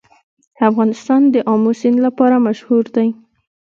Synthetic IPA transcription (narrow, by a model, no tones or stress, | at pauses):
afɣɑnɪst̪ɑnd̪əʔɑmusɪnlapɑɾamaʃhuɾd̪aj